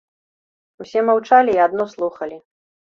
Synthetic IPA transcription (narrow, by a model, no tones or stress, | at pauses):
usʲɛmawt͡ʂalʲiːad̪nɔslˠuxɐlʲi